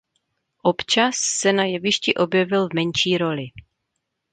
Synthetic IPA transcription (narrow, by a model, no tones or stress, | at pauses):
ʔopt͡ʃasːɛnajɛvɪʃcɪʔo̞bjɛvɪlvmɛnʃiːɾo̞lɪ